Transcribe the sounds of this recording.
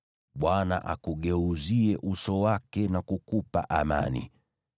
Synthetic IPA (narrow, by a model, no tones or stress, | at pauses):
ɓwana̰ʔa̰kuɠɛuziɛʔusɔwakɛnakukupa̰ʔama̰nḭ